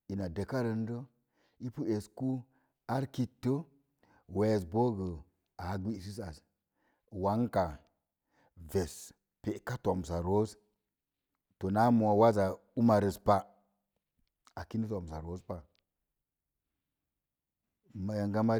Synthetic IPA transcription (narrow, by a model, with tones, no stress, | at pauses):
i˨na˨de˨ka˦ɾə˧n˦də˦ | i˦pu˦e˨sku˦ | a˦ɾki˦tːə˦ | we˨s̬bo˦ɡə˨ | a˨˦ɡi˦˨si˦sa˨s | wa˨˦ŋka˨ | ve˨s | pe˨ka˦to˨msa˨ɾo˦s | to˨na˦mo˨a˨wa˦za˨u˦ma˨ɾə˨spa˨ | a˨ki˦nə˦to˨msa˨ɾo˨˦spa˨ | ma˨ja˨ŋɡa˦ma˦